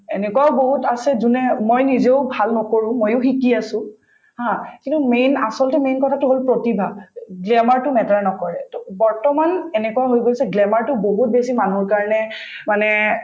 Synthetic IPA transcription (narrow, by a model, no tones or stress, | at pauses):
enɛkwaʊboɦutasɛzunɛmojnizeʊbʱalnɔkoɹʊ̃mojʊxikiasʊ̃ | hãkintumena̰sɔltɛmejnkɔtʰatʊɦolpɹotibʱaɡlɛmaɹtʊmɛtaɹnɔkɔɹɛtbɔɹtɔmanɛnɛkuwaɦojɡojsɛɡlɛmaɹtʊboɦut̚besimanuɹkaɹɔnɛ | manɛ